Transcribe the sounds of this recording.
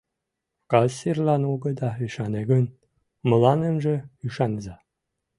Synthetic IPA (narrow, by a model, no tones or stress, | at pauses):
kɑsirlɑnoɡə̆d̪ɑyʃɑneɡən | mə̆lɑnənʒĕyʃɑnzɑ